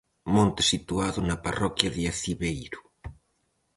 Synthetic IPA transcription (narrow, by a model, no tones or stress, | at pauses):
mõnt̪e̥sit̪uaðʊnapa̰rɔkjaðiaθiβejɾʊ̥